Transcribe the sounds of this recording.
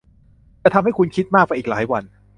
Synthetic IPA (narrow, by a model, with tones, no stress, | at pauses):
t͡ɕaː˨˧˩t̪ʰa˧mha˥˩jkʰu˧nkʰi˦˥t̪̚maː˥˩k̚waː˧ʔiː˨˩k̚laː˩˦jwa˧n